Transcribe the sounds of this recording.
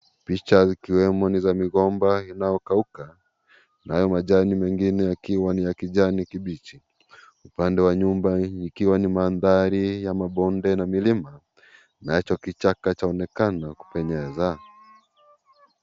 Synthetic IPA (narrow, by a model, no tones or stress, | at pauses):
pit͡ʃazikiwɛmɔnizamiɣɔmbainajɔkauka | najɔmaʄanimɛŋɡinɛjakiwanijakiʄanikiɓit͡ʃi | upandɛwaɲumbaikiwanimaːnðaɾijamaɓɔndɛnamilima | nat͡ʃɔkit͡ʃakat͡ʃaɔnɛkanaku̥pɛɲɛza